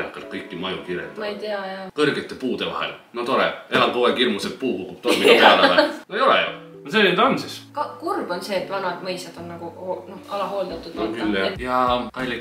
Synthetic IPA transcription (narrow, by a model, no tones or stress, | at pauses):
ɑkːˑɑlt̪̚kɤjkːˑimɑjukiɾḛt̪mɑejt̪eɑjɑkɤrɡet̪ːˑe̞puːd̪̥e̞vɑ̰ɦḛlnot̪o̞ɾḛelɑkoekirmuset̪̚puːkukːub̥̚t̪olmiɑeɑleɑ̰nojolḛjo̰ | osenet̪ɑnsiskɑkurbo̞nse̞ːt̪ːvɑnɑd̪̥mɤjsɑd̪̥o̞nːɑɡ̥uonohɑlɑɦoːld̪̥ɑt̪ːˑud̪kylːejɑkɑjlʲːi